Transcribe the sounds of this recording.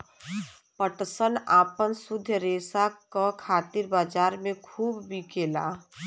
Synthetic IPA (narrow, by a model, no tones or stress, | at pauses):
pəʈsənaːpənsʊd̪ʱjəɾeːsakakʰaːt̪iɾbaːd͡ʒaːɾmẽkʰuːbːʱikeːla̰ː